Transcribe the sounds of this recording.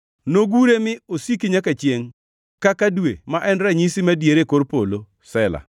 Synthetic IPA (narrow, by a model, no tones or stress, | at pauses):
noɡuɾemɪosikiɲakat͡ʃjeŋ | kakadwemaʔɛnɾaɲisimadjeɾekoɾpolo | sɛla̰